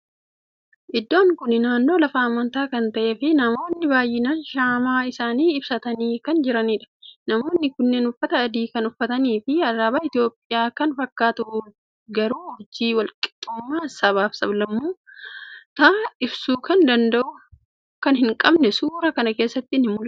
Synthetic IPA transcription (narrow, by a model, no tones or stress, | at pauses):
ʔɪd̪ːo̞ːŋkʊnɪnaːnːoːlɐfɐːmːɐnt̪aːkɐnt̪ɐʔe̞ːfɪnɐmo̞ːnːɪbaːjːɪnanʃaːmaːɪsaːniːɪbsɐt̪ɐniːkɐnd͡ʒɪɾɐniːᶑɐ̥nɐmoːnːɪkʊnːeːnʊfːɐt̪ɐːd̪iːkɐnʊfːɐt̪ɐniːfɪɐrːaːbaːɪt̪ɪjo̞ːpʼːɪjaːkɐnfɐkːaːt̪ʊ | ɡɐɾuːhʊd͡ʒiːwɐlkʼɪ̥t̪ʼːʊmːaːsɐbaːfsɐblɐmːuː | t̪aːɪbsuːkɐnd̪ɐnd̪ɐʔʊ | kɐnhɪŋkʼɐbnɛsuːɾɐkɐnɐke̞ːsːɐt̪ːɪnhɪmːʊl